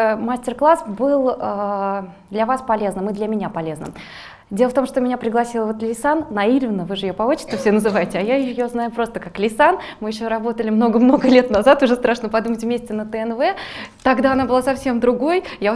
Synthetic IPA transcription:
masʲtʲɪrklˠasbɨlˠə | d̪lʲɐvaspɐlʲe̞znɨmɨd̪lʲəmʲɪnʲapɐlʲe̞znə̰ | dʲelˠəft̪o̞mʂt̪omʲɪnʲapɾʲɪɡlˠɐsʲilˠəvo̞t̪lʲɪsanːɐilʲvʲɪnəvɨʐɨɪjopɐot͡ɕɪ̥st̪əfsʲenəzɨvajɪtʲɪajaɪjoznajʊpɾo̞st̪əkaklʲɪsan | mɨjɪɕːo̞ɾɐbo̞t̪əlʲɪmno̞ɡəmno̞ɡəlʲe̞t̪nɐzat̪ʊʐɛst̪ɾaʂnəpɐd̪umətʲvmʲesʲtʲɪnət̪əɛnvɛt̪ɐɡd̪aɐnabɨlˠasɐfsʲe̞md̪ɾʊɡo̞jja

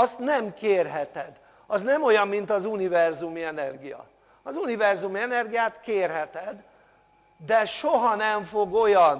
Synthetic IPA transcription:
ɒst̪nɛmkeːrɦɛt̪ɛd̪ | ɒznɛmo̞jɒmːint̪ɒzunivɛrzumiɛnɛrɡijɒ̰ | ɒzunivɛrzumiɛnɛrɡijaːt̪keːrɦɛt̪ɛd̪ | d̪ɛʃoɦɒnɛɱfo̞ɡo̞jɒn

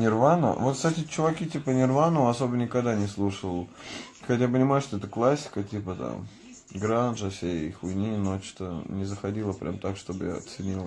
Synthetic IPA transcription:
nʲɪrvanə̰vo̞t̪kst̪atʲɪt͡ɕʊvɐkʲitʲipənʲɪrvanəvəɐso̞bənʲɪkɐɡd̪anʲɪslˠuʂəlˠxɐtʲjap̬ənʲɪmajʊʂt̪oɛt̪əklˠasʲːɪ̥kətʲipət̪a̰m | ɡɾanʐəfsʲeḭxʊjnʲinot͡ɕt̪ənʲɪzəxɐdʲilˠəpɾʲʔamt̪akʂt̪o̞bɨja̰ɐ̰t̪sɨnʲilˠə

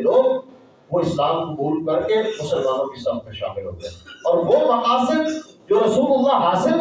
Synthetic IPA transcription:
loːɡ | ʋoɪslaːmqʊbuːlkɐɾkemʊsəlmaːnõkesɐbmẽʃa̰ːmɪlɦo̰ːt̪ḛ̃ːɔːɾʋomɐqaːsɪb | d͡ʒoːɾɐsuːlʊlːaɦaːsɪl

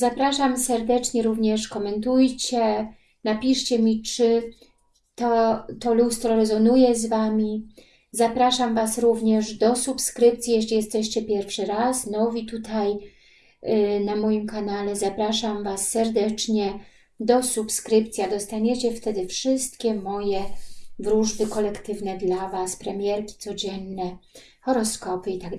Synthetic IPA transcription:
zapɾaʂamsɛɾd̪ɛt͡ʂɲɛɾuvɲɛʂkɔmɛnt̪ujt͡ɕɛ | napʲiʂt͡ɕɛmʲit͡ʂɘ | t̪ɔt̪ɔlust̪ɾɔɾɛzɔnujɛzvamʲi | zapɾaʂamvasɾuvɲɛʐd̪ɔsupskɾɘpt̪sʲjijɛɕlʲijɛst̪ɛɕt͡ɕɛpʲjɛɾfʂɘɾasnɔvʲit̪ut̪ʰaj | namɔjimkanalɛzapɾaʂamvasːɛɾd̪ɛt͡ʂɲɛ | d̪ɔsupskɾɘpt̪sʲjad̪ɔst̪aɲɛt͡ɕɛft̪ɛd̪ɘfʂɘst̪kʲɛmɔjɛvɾuʐbɘkɔlɛkt̪ɘvnɛd̪lavaspɾɛmʲjɛɾkʲi̥t̪sɔd͡ʑɛnːɛ | xɔɾɔskɔpɘit̪aɡ

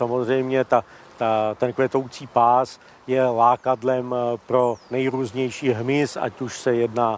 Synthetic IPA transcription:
samozr̝ɛjmɲɛt̪a | t̪at̪ɛnkʋɛt̪owt͡siːpaːs | jɛlaːkadlɛmpɾo̞nɛjɾuːzɲɛjʃiːɦmɪsa̰cuʃsɛjɛdnaː

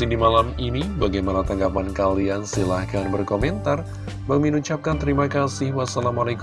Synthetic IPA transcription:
sidimalaminibaɡajmanat̪aŋɡapankaliansilahkanbərkomɛnt̪ar | baŋminut͡ʃap̚kant̪əɾimakasɪhwasalamalak

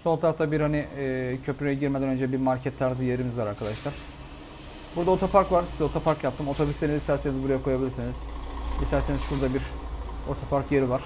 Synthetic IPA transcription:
sonˠt̪ʰaɾaft̪ʰabiɾhanicʰø̞pɾyɛɟiɾmed̪ænø̞nd͡ʒɛbiɾmalcʰɛt̪ʰːaɾzɯjeɾimizvaɾaɾkʰad̪aʃlˠaɾ̥ | buɾd̪ao̞t̪ʰapaɾkvaɾsizɛo̞t̪ʰapʰaɾkjap̚t̪ʰɯmo̞t̪ʰobyst̪ʰenizist̪æɾsenizbuɾajakʰo̞jabilʲiɾsiniz̥ist̪ʰæɾsenizʃuɾd̪abiɾot̪ʰopʰaɾkjeɾivaɾ̥

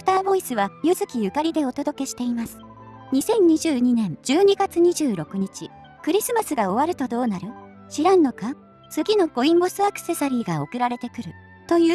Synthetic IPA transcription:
ɯ̥t̪aːbo̞isɨβajɯ̟zɨkʲijɯ̟kaɾʲid̪e̞o̞t̪od̪o̞ke̞ɕi̥t̪e̞imasɨ̥ | ɲ̟isẽ̞ɲ̟ɲiʑɨːɲ̟inẽ̞ɲd͡ʑɨːɲ̟iɡat͡sɨɲ̟iʑɨːɾo̞kɯ̟ɲ̟it͡ɕi | kɯ̟ɾʲisɨmasɨɡao̞β̞aɾɯ̟t̪o̞d̪o̞ːnaɾɯ̟ | ɕiɾãnːo̞ka | sɨɡʲino̞ɡ̥o̞ĩmɡo̞sɨakɯ̥se̞saɾʲiːɡao̞kɯ̟ɾaɾe̞t̪e̞kɯ̟ɾɯ̟ | t̪o̞jɯː

